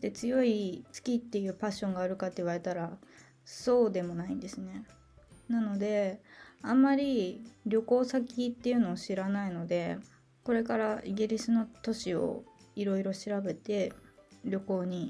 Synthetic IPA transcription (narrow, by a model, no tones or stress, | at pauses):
t̪e̞t͡sɨjo̞isɨ̥kʲit̪ːe̞jɯ̟ːpaɕːõ̞ŋɡaːɾɯ̟kat̪ːe̞iβaɾe̞t̪aɾa | so̞ːd̪e̞mo̞naĩnd̪e̞sɨne̞ | nano̞d̪e̞ãmːaɾʲiɾʲo̞ko̞ːsakʲit̪ːe̞jiɯ̟no̞ːɕiɾanaino̞d̪e̞ | ko̞ɾe̞kaɾaʔiɡʲiɾʲisɨno̞t̪o̞ɕio̞̰iɾo̞iɾo̞ɕiɾabe̞t̪e̞ɾʲo̞ko̞ːɲ̟i